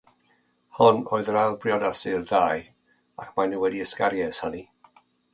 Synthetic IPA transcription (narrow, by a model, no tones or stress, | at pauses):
hɔnoːɨðəɾalˠbrjɔdasɪldaːj | a̰kʰmanuwɛdiəskaɾjɛshani